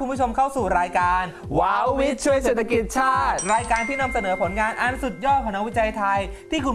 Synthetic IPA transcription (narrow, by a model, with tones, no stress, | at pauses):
u˧nbʰu˥˩o˧mkʰa˥˩wsuː˨˩ɾaː˧jkaː˧n | waː˦wwi˦˥t̪̚t͡ɕʰu˥˩əjseː˨˩t̪ʰːa˧ki˨˩t̪̚t͡ɕʰaː˥˩t̪̚ɾaː˧jkaː˧nt̪ʰiː˥˩na˧msa˧nɤː˩˦pʰo˩˦nŋaː˧nʔa˧nsu˨˩t̪̚jɔː˥˩t̪̚pa˧na˦˥wi˦˥t͡ɕa˧jt̪ʰa˧jt̪ʰiː˥˩kʰu˧m